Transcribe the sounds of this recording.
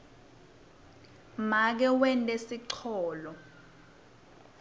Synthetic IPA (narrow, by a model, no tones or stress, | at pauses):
mak̬ɛwɛntʼesiǀʰɔːlɔ